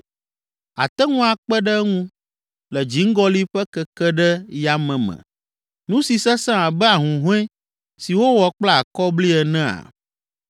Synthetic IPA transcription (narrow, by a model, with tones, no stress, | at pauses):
a̰˨t̪ɛ˦ŋũ˦a˨k͡pɛ˦ɖɛ˦ŋũ˦ | lɛ˨d͡ʒi˨˦ŋ̩˦ɡɔ˦li˦ɸɛ˦kɛ˦kɛ˦ɖɛ˦ja˨mɛ̃˨mɛ̰̃˨ | nũ˦si˨sɛ˦sã˦a˨bɛ˦a˨ɦũ˨ɦũ˦ɛ̃˦ | si˨wo˦wɔ˨k͡pla˦˨kɔ˦bli˦ɛ˨nɛ̃˦a̰˨